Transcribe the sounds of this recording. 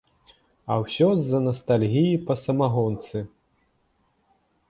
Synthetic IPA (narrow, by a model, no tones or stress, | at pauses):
ɐwsʲɔzːɐnɐst̪alʲɣʲijipɐsɐmaɣɔnt̪sɨ